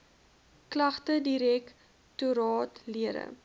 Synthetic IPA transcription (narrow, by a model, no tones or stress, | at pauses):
klɐχtədiɾɛk | tuɾɑːtliəɾə̰